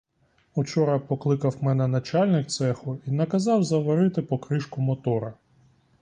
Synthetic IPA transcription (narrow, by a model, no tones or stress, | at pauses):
ut͡ʃɔɾɐpɔklˠɪkɐwmɛnɛnɐt͡ʃɑlʲnɪk̚t̪sɛxʊinɐkɐzɑwzɐʋɐɾɪt̪ɪpɔkɾɪʃkʊmɔt̪ɔɾɐ